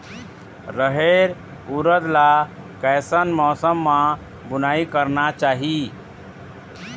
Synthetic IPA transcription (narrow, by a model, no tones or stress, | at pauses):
ɾəɦeɾ | uɾəd̪la | kɛjsənmɔːsəmːã | bunaikəɾnat͡ʃaɦi